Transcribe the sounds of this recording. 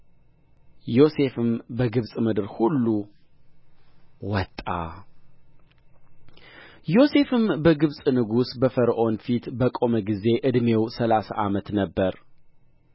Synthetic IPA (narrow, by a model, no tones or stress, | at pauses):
jo̞se̞fɨmbəɡɨβsʼmɨd̪ɨɾhulːu | wɔt̪ʼːa̰ | jo̞se̞fɨmbəɡɨβsʼnɨɡusbəfəɾʔo̞nfit̪bəkʼo̞məɡize̞ʔɨd̪me̞wsəlasa̰ʔamət̪nəbːəɾ